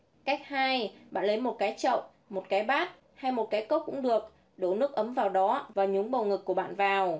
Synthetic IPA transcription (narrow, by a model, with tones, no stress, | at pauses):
ka˦˥jk̚haː˧jɓa̰ː˧˨nlə˨˦jmo˨˩t̚kaː˨˦jt͡ɕə̰˧˨wŋ͡m | mo˨˩t̚kaː˨˦jɓaː˦˥t̚ | ha˧jmo˨˩t̚kaː˨˦jkə˦˥p̚kʊ̰˧˥ŋ͡mɗɨ˨˩ək̚ | ɗo̰˧˩nɨ˦˥ək̚ʔə˨˦mvaː˨˩wɗɔ˨˦vaː˨˩ɲʊ˨˦ŋ͡mɓə˨˩wŋɨ˨˩k̚ːu˧˩əɓa̰ː˧˨nvaː˨˩w